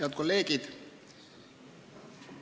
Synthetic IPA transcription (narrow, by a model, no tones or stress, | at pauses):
ʋt̪koleːkit̪